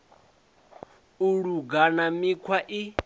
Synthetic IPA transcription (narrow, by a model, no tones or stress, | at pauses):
uɺuɡanamikʰwaʔi